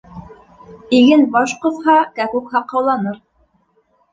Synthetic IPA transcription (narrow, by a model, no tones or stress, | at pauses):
iɡɘnbɑʃqɤ̆θhɑkækukhɑqːɑwlˠɑnɤɾ